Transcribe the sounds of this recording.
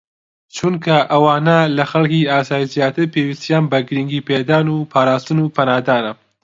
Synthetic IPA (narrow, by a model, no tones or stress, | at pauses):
t͡ʃʰunkʰɐʔɐwɑːnɐlɐxɐlkiaːsaːjizjaːt̪ɨɾpewist̪jaːnbɐɡɨɾiŋɡiːped̪aːnupʰaːɾaːst̪ɨnupʰɐnaːd̪aːnɐ